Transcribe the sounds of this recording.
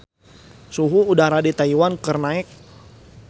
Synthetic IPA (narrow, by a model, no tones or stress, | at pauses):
suɦuːdaɾadit̪aiwankərnaɛk̚